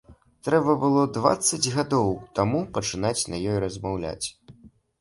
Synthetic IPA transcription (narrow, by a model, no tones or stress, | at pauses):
t̪ɾɛbɐbɨlˠɔd̪va̰t̪sːɐd͡zʲɣad̪ɔwt̪amupɐt͡ʂɨnat͡sʲnɐjɔjɾɐzmawlʲa̰t͡sʲ